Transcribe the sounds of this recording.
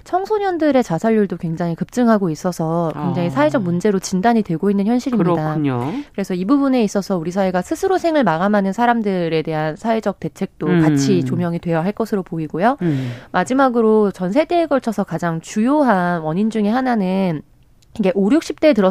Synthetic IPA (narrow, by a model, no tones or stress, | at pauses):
t͡ɕʰʌŋsʰoɲʌndɯɾe̞t͡ɕasʰaʎːuɭdokwe̞ŋd͡ʑaŋikɯp̚t͡ɕ͈ɯŋɦaɡois͈ʌsʰʌkkwe̞ŋd͡ʑaŋisʰae̞d͡ʑʌk̚mund͡ʑe̞ɾot͡ɕindaɲitwe̞ɡoinːɯnçjʌnɕʰiɾimɲidakɯɾe̞sʰʌibubune̞is͈ʌsʰʌuɾisʰaeɡasʰɯsʰɯɾosʰe̞ŋɯɭmaɣamanɯnsʰaɾamdɯɾe̞de̞ɦansʰae̞d͡ʑʌk̚t͈e̞t͡ɕʰe̞k̚t͈okat͡ɕʰit͡ɕomjʌŋidwe̞jaɦaɭk͈ʌsʰɯɾopoiɡojomad͡ʑimaɡɯɾot͡ɕʌnsʰe̞de̞ːɡʌɭt͡ɕʰʌsʰʌkad͡ʑaŋt͡ɕujoɦanwʌɲind͡ʑuŋeɦananɯn | iɡe̞ʔoɾjok̚ɕ͈ip̚t͈e̞tɯɾʌ